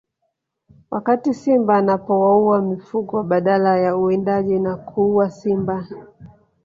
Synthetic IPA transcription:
wʔakatisimbaːnapɔwauamifuɠɔɓaɗalajauɛndaʄinakʰuuasimba

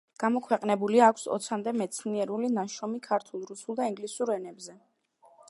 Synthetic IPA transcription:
ɡ̥amɔkʰwɛqʼnɛbuliaːkʷʰsɔ̰t̪sʰamd̪ɛmɛt̪sʰniɛɾulinaʃɔmikʰaɾt̪ʰulˠɾusulˠd̪aiŋɡlisuɾɛnɛbzɛ

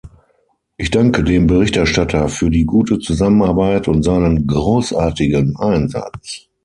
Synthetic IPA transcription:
ʔɪçd̥aŋkədeːmbəʁɪçtɛɐʃtatʰɐfyːɐdiːɡuːtət͡suzamənaɐbaɪtʊntz̥aɪnənɡʁoːsʔaːɐtɪɡənʔaɪnza̰t͡s

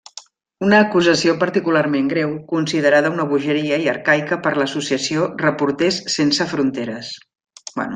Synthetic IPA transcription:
unəːkuzəsiopəɾt̪ikularmeŋɡɾewkunsiðəɾaðəunəβuʒəɾiəiəɾkajkəpəɾləsusiəsiorəpuɾt̪essːensəfɾunt̪eɾəs | bɛ̰nu

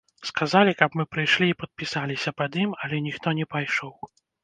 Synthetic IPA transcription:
skazalʲikɐpmɨpɾɨjʂlʲiːpɐt̪̚pʲisalʲisʲɐpɐd̪imalʲɛnʲixt̪ɔnʲɛpajʂɔw

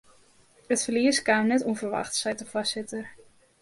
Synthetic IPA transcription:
ətfərliəskaːmnɛtuənvərʋa̰xtsɛjtəfasɪtər

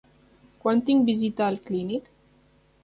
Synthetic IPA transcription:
kwant̪iŋbizit̪aːlklinik

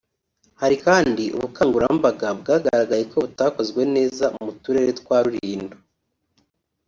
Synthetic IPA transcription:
haɾikaːndiʔṵβukaːŋɡuɾambaɡabɡaːɡaɾɾaɡajeko̞βutaːko̞zɡwe̞ne̞ːzaumutuɾe̞ɾetwaːɾuɾiːndo

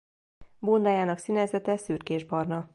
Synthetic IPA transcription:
boːnd̪aːjaːnɒksinɛzɛt̪ɛsyːrkeːʒbɒrnɒ

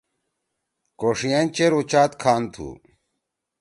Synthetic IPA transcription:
koʂijant͡ɕeɾut͡ɕaːt̪kʰaːnt̪ʰṵ

